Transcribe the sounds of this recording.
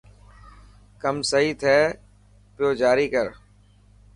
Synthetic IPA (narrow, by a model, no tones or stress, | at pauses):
kəmsəɦiːt̪ʰɛː | pɪjoːd͡ʒaːɾiːkəɾ